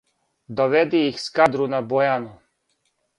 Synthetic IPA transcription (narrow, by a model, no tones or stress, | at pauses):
d̪oʋed̪iixskad̪ɾunabojanu